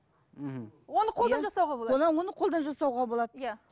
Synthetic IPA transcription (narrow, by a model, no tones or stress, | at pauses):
m̩wonəqʰolˠd̪ɑnʒɑsɑwʁɑolˠwo̞nɑnwo̞nəqʰolˠd̪ɑnʒɑsɑwʁɑbo̞lˠɑd̪əja